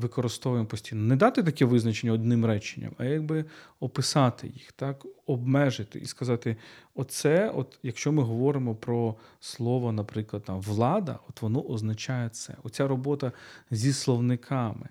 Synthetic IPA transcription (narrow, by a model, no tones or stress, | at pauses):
ʋɪkɔɾɪst̪ɔʋʊjɪmpɔsʲtʲijnɔnɛd̪ɑt̪ɪt̪ɐkʲɛʋɪznɐt͡ʃenʲːɐɔd̪nɪmɾɛt͡ʃɪ̥nʲːɐ̰mɐjaɡ̚bɪɔpɪsɑt̪ɪ̰jixt̪ɑkɔbmɛʒɪt̪ɪ̰ʔiskɐzɑt̪ɪɔt̪sɛɔt̪jɐkʃt͡ʃɔmɪɦɔʋɔɾɪmɔpɾɔslˠɔʋɔnɐpɾɪklˠɐd̪̚t̪amʋlˠɑd̪ɐ̰ɔt̪ʋɔnɔʔɔznɐt͡ʃɑjɛt̪sɛ̰ɔtt͡sʲaɾɔbɔt̪ɐzʲislˠɔʋnɪkʰɑmɪ̰